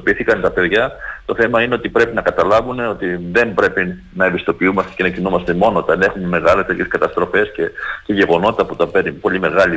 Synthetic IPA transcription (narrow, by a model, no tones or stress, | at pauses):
opiθikɐnt̪ɐpe̞ðʝɐt̪o̞θe̞mɐineo̞t̪ipɾe̞pinɐkɐt̪ɐlɐvune̞o̞t̪iðe̞mbɾe̞pi | nɐebist̪o̞piumɐst̪ece̞nɐcinumɐst̪e̞mo̞noot̪ɐne̞xumeme̞ɣɐlest̪eçe̞skɐt̪ɐst̪ɾo̞fe̞scece̞ʝe̞ɣo̞no̞t̪it̪ɐput̪ɐpenipo̞ʎime̞ɣɐli